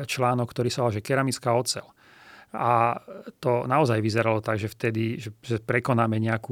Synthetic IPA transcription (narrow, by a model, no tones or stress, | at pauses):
t͡ʃlaːnɔkːt̪ɔɾiːsaɔlaʒɛkɛɾamit͡skaɔt͡sɛ̰l | at̪ɔnaɔzajʋizɛɾalɔt̪aɡʒɛft̪ɛd̪iʒɛʒɛpɾɛkɔnaːmɛɲɛaku